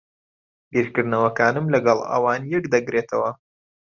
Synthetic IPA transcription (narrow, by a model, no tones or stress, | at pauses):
biɾkɨɾd̪nɐwɐkaːnɨmlɐɡɑlˠɐ̰waːnjɛkd̪ɐɡɾeːt̪ʰɐwɐ